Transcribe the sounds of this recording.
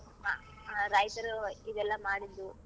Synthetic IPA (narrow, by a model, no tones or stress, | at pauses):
ɦa̰ | ɾɐjt̪ɐɾuid̪ɛlːɐmaːɽid̪ːu